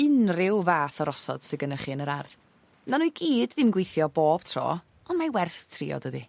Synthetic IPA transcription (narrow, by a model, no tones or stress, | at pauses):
ɪnrɪwvaːθɔɾɔsɔ̰d̥sɪɡənəχɨːnəɾarð | nanujɡiːdðɪmɡwejθjɔboːb̥tʰrɔ̰ː | ɔnmajwɛrθtʰrḭːɔ̰dəði